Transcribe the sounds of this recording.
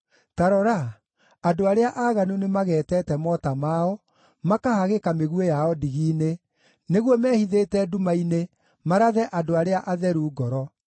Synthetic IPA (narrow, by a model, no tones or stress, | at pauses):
taɾɔɾa | adoaɾeaʔaɣanunemaɣɛːtɛtɛmɔtamaɔ | makahaɣekameɣuejaɔdiɣiːne | neɣwɔmɛːhiðetɛdumaine | maɾaðɛʔadoaɾeaʔaðɛɾuːɡɔɾɔ